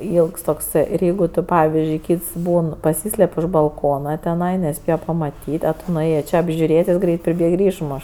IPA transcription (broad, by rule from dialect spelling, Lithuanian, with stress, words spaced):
ˈiːlˠks toːkˈsɜ ɪr ˈjɛɪɡʊ tʊ ˈpɑːʋʲɪzʲd͡ʒʲʊɪ ˈkʲiːts ˈbuːn pɐˈsʲiːsʲlʲɛpʲ ʊʃ bɐlˠˈkoːnɐ tʲɛˈnɐɪ nʲɛˈsʲpʲeːjɛ pɐmɐˈtʲiːtʲ ɐ ˈtʊ nʊˈeːjeː ˈt͡ʃʲeː ɐbʲʒʲʊˈrʲeːtʲ ˈjɪs ˈɡrʲɛɪt pʲrʲɪˈbʲeːk ɪr ˈɪʃmoːʃ